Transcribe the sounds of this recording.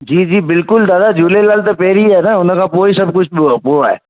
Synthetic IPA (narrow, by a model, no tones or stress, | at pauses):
d͡ʒiːd͡ʒiːbɪlkʊld̪aːd̪ad͡ʒuːlelaːlt̪̬opeːɾiɦɛnaʊnõkapoːisɐb̚kʊt͡ʃʰpoaɦɛ̰ː